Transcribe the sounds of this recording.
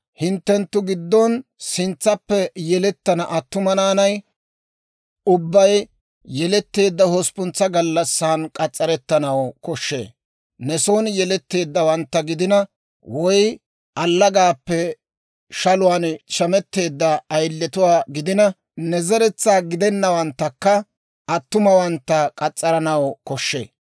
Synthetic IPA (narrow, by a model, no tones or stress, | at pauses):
hɪnt̪ːɛnt̪ːʊɡɪd̪ːɔnsɪnt͡sːɐpːɛjɛlɛt̪ːɐnɐʔɐt̪ːʊmɐnaːnɐj | ʊbːɐj | jɛlɛt̪ːe̞ːd̪ːɐhɔspʊnt͡sːɐɡɐlːɐsːaːnkʼɐt͡sʼːɐɾɛt̪ːɐnɐwkɔʃːḛː | nɛsoːnjɛlɛt̪ːe̞ːd̪ːɐwɐnt̪ːɐɡɪd̪ɪnɐ | wɔj | ʔɐlːɐɡaːpːɛ | ʃɐlʊwaːnt͡ʃɐmɛt̪ːe̞ːd̪ːɐːjlːɛt̪ʊwaːɡɪd̪ɪnɐ | nɛzɛɾɛt͡sːaːɡɪd̪ɛnːɐwɐnt̪ːɐkːɐ | ʔɐt̪ːʊmɐwɐnt̪ːɐkʼɐt͡sʼːɐɾɐnɐwkɔʃːḛː